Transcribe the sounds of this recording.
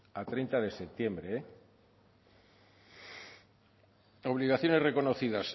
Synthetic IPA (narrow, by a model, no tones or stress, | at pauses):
at̪ɾejnt̪aðe̞sep̚t̪je̞mbɾe | o̞β̞liɣaθjo̞ne̞zre̞ko̞noθiðas